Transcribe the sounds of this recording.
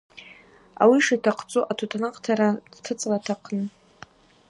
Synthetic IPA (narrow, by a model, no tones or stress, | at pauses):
a̰wiʂatʰaqʰʼt͡sʼuʔatʰutʰanaqʼtʰaɾadtʰɨt͡sʼlatʰaqʰnɨ